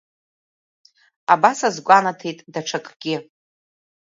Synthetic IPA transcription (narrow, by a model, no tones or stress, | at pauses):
abasazɡʷanatʰejtʼdaʈ͡ʂʰakʼɡ̥ʲɪ